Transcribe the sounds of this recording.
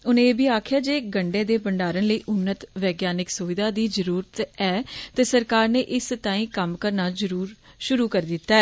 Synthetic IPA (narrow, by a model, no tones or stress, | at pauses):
ʊnẽːeːbiːaːkʰjaːd͡ʒeːɡəɳɖẽːd̪eːbəɳɖaːɾənləiːʔʊnːət̪ʋɛːɡjaːnɪksʊʋɪd̪aːd̪iːd͡ʒəɾuːɾət̪ɛːt̪eːsəɾkaːɾneːʔɪst̪aːĩːkəmkəɾnaːd͡ʒəɾuːɾ | ʃʊɾuːkəɾd̪ɪt̪ːaːɛː